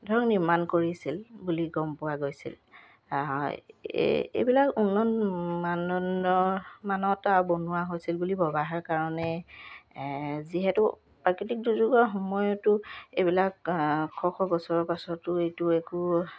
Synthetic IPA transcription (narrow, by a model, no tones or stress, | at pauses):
dʱɔɹɔŋniɹmankoɹisilbuliɡɔmpʊwaɡojsḭl̰ | j | ḛjbilakunːɔnmanɔnɔmanɔtabonuwaɦojsilbulibɔbaɦaɹkaɹɔnɛ | ziɦɛtʊ | pɹakɹitik̚duzuɡɔxɔmɔjɔtʊejbilakʰːɔxɔɡɔsɔɹɔpasɔtʊejtʊeku